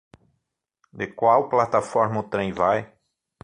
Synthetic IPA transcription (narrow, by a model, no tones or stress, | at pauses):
d̪ekwawplat̪afɔɾmɐʊt̪ɾẽj̃vaj